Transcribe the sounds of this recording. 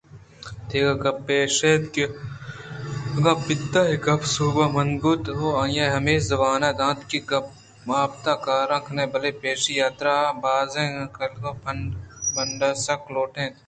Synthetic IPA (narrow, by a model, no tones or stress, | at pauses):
t̪ʰeːɡɐɡɐpeːʃet̪ke | ɡɐpɪt̪ːaːɦikɐpsuːbɐmɐnbut̪ɦoːɐ̃jaːɦɐmeːszɐbaːnaːd̪ãːt̪kiɡɐ | maːb̚t̪akaːɾɐ̃kʰnẽbɐlepeːʃijaːt̪ɾaːbaːzẽːɐkɐlɡɐ̃pʰɐɳbɐɳɖaːsɐkʰloːʈʰẽː